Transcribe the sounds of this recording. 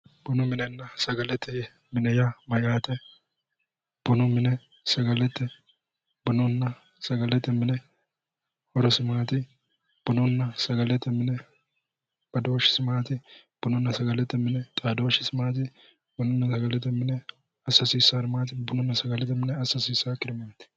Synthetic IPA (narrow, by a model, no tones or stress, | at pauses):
b̥ʊnʊmɪnɛnːɐsɐɡɐlɛt̪ːɛjɛ | mɪnɛjamɐjaːt̪ɛ | b̥ɔnʊmɪnɛ | sɐɡɐlɛt̪ːɛ | bʊnʊnːɐ | sɐɡɐlɛt̪ːɛmɪnɛ | hɔɾɔsɪmaːt̪ɪ | b̥ʊnʊnːɐsɐɡɐlɛt̪ːɛmɪnɛ | b̥ɐd̪oːʃɪ̥sɪmaːt̪ɪ | b̥ʊnʊnːɐsɐɡɐlɛt̪ːɛmɪnɛt̪ʼaːd̪o̞ːʃɪsɪmaːt̪ɪ | bʊnʊmːnsɐɡɐlɛt̪ːɛmɪnɛ | ɐsːɐsiːsːaːɾɪmaːt̪ɪbʊnʊnːɐsɐɡɐlɛt̪ːɛmɪnɛɐsːɐsiːsːaːkɪɾɪmaːt̪ɪ̥